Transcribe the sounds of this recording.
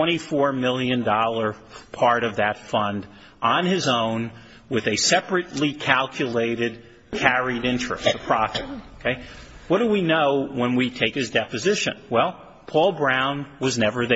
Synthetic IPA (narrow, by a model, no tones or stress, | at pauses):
wɛ̃ɾ̃ifɔɹmɪlˠjɨ̃ndɔlˠə˞pʰɑɹɾʌvðɨtfʌ̃nd | ʔnɪzõʊ̃n | wɨðɨsɛpɹɨtˡlikʰælˠkʰjɨleɪɾɨd̚ | kʰæɹiɾɪ̃nt͡ʃɹ̥ɨ̰stʌ̥pʰɹ̥ɑfɨt̚oʊkʰeɪwʌt̚d̥əwinoʊwə̃nwitʰeɪkhɨzdɛpɨzɪʃɨ̰̃nwɛlˠ | pʰɔlˠbɹãʊ̃nwʌznɛvə˞ð